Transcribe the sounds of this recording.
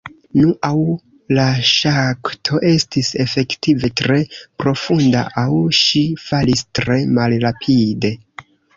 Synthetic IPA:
nuʔaw | laʃaktʰo̞ʔe̞stise̞fe̞ktive̞tɾe̞pɾo̞funda̰ʔawʃifalistɾe̞malɾapʰide̞

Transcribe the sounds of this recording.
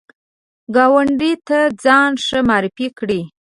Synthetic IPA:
ɡɑwaɳɖit̪ad͡zɑnʂəmɑɾɪfikɽi

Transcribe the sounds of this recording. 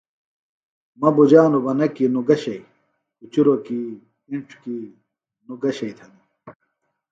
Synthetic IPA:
mɐbud͡ʑaːnubɐnɐkinuɡɐɕɐi | ut͡ɕuɾoki | iɳʈ͡ʂʰki | nuɡɐɕɐit̪ʰɐnu

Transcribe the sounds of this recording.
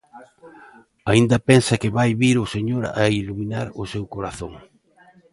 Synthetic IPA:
aind̪ɐpɛnsɐkɪβajβiɾʊseɲoɾailuminaɾʊsewkoɾaθoŋ

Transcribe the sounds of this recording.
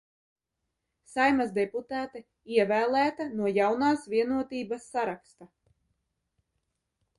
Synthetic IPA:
sajmazd̪ɛput̪aːt̪ɛ | iɛvæːlˠæːt̪anuɔjawnaːsvʲiɛnuɔt̪iːbasːaɾakst̪a

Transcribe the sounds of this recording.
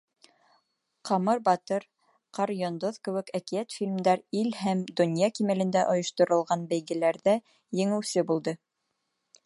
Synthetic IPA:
qɑmɤɾbɑt̪ɤɾ | qɑɾjond̪oðkɘ̆wɘ̆kækiæt̪fʲilʲmd̪ɑɾilhæmd̪ŏnjɑkimælɘ̆nd̪æʔŏjŏʃt̪ŏɾɤ̆lˠʁɑnbæjɡɘ̆læɾðæ | jɘ̆ŋɘ̆wsɘbulˠd̪ɤ

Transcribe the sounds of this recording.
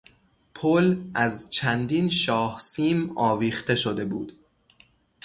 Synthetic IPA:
pʰolæzt͡ʃʰænd̪inʃɒːhsiːmɒːviːxt̪e̞ʃod̪e̞buːd̪̥

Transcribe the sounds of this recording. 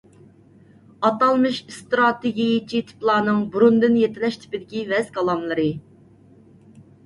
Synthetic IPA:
ɑt̪ɑlˠmɨʃst̪ɾɑt̪eɡʲijit͡ʃʰit̪ʰɪ̥plˠɑːnɨŋbuɾund̪ɨnjet̪ʰɪlɛʃt̪ʰɪ̥pɪd̪ɪkʲivɛzkɑlˠɑmlˠɨɾɨ

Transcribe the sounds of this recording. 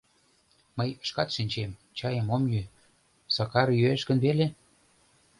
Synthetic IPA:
məjəʃkɑt̪ʃinʲt͡ɕemt͡ɕɑjə̆momjy | sɑkɑɾjøeʃkə̆nβele

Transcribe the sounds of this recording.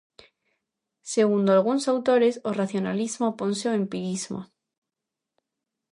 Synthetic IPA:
seɣund̪oalɣ̞unsawt̪oɾesoraθjonalizmoponseoempiɾizmo̰

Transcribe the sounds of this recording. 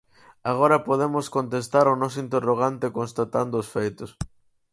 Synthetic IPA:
aɣ̞oɾɐpoðemʊskont̪est̪aɾʊnɔsʊint̪eroɣ̞ant̪ekõnst̪at̪and̪ʊːsfejt̪ʊs

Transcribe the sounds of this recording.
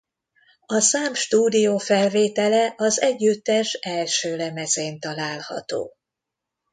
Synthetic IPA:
ɒsaːmʃt̪uːd̪ijoːfɛlveːt̪ɛlɛʔɒzɛɟːyt̪ːɛʃɛlʃøːlɛmɛzeːnt̪ɒlaːlhɒ̰t̪o̰ː

